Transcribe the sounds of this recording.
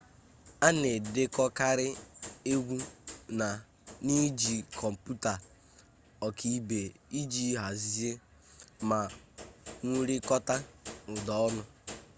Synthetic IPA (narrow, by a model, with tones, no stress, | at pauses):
a˦ne˨de˦kɔ˦ka˦ɾɪ˦e˦ɡʷu˦na˨ | ni˦d͡ʒi˨kʰɔ˨m̩˨pu˦ta˨ | ɔ˨kʰi˨i˦be˨i˦d͡ʒi˦ɦa˨zi˦e˦ | ma˨ | ŋu˦ɾi˦kɔ˦ta˦ʊ˨dɔ˨ɔ˦nʊ˦